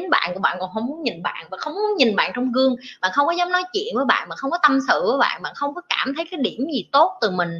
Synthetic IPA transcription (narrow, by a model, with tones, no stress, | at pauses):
i˨˦nɓa̰ː˧˨nku˧˩əɓa̰ː˧˨nkɔ˨˩nhə˧wŋ͡mmu˨˦ənɲi˨˩nɓa̰ː˧˨nvaː˨˩xə˧wŋ͡mmu˨˦ənɲi˨˩nɓa̰ː˧˨nt͡ɕɔ˧wŋ͡mɣɨ˧əŋɓa̰ː˧˨nxə˧wŋ͡mkɔ˨˦zɔː˨˦˥mnɔ˨˦jt͡ɕwḭ˧˨ənvəː˨˦jɓa̰ː˧˨ɓaː˨˩xə˧wŋ͡mkɔ˨˦t̪ə˧msɨ̰˧˨ku˧˨˦jɓa̰ː˧˨nɓa̰ː˧˨nxə˧wŋ͡mkɔ˨˦kaː˧˩mt̪ʰə˨˦jkaː˨˦jɗi˧˩əmzi˨˩t̪o˦˥t̚t̪ɨ˨˩mï˨˩ŋ̟